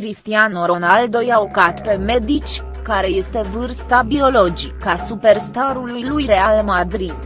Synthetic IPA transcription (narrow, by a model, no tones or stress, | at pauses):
kɾist̪ianoɾo̞nald̪o̞jaokat̪pe̞me̞d̪it͡ʃʲ | kaɾe̞je̞st̪e̞vɨrst̪abio̞lo̞d͡ʒikasupe̞rst̪aɾulujlujɾe̞almad̪ɾid̪